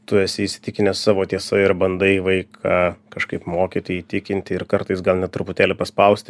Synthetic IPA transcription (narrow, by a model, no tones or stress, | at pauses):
t̪ʊɛsʲɪisʲɪ̥t̪ʲɪkʲɪnʲɛssɑːʋoːt̪ʲiɛsɐɪɾbɐnd̪ɐɪʋɐɪkʰɑːkɐʃkɐɪpmoːkʲit̪oːjiːt̪ʲɪkʲɪnʲt̪ʲɪɪɾkɐɾt̪ɐɪsɡɐlˠnʲɛt̪ɾʊpʊt̪ʲæːlʲɪpɐspɐʊsʲt̪ʲɪ